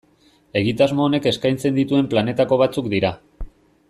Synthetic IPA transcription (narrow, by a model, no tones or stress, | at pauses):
e̞ɣit̪azmo̞ːne̞ke̞skajnt͡se̞nd̪it̪ue̞mplane̞t̪ako̞β̞at͡sukd̪iɾa